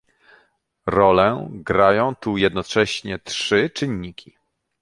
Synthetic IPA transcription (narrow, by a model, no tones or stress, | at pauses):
ɾɔlɛɡɾajɔ̃w̃t̪ujɛd̪nɔt͡ʂɛɕɲɛtʂɘt͡ʂɘɲːikʲʰi